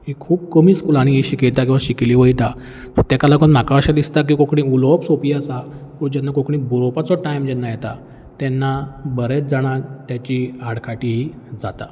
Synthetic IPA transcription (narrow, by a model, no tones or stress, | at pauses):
ekʰːuːb̚kəmiːskulaɽ̃ĩɦiɕikejt̪akĩʋaɕikliːʋəjt̪a | t̪ət̪jakalakənm̤akaaɕad̪ist̪ak̬iːkokɳĩːulɔpsopiːasapəɳd͡ʑɛnːakokɳiːbɾopat͡sɔʈajmd͡ʑɛnːajɛt̪a | t̪ɛnːabəɾet͡s̚d͡zaɽ̃at̪jat͡ɕiaɽkʰaʈiːɦi | d͡zat̪a